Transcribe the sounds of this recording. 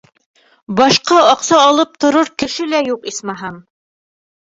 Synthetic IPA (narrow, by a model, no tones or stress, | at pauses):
bɑʃqɑɑqsɑːlˠɤp̚t̪ŏɾoɾkɘ̆ʃɘlæjuqismɑɦɑm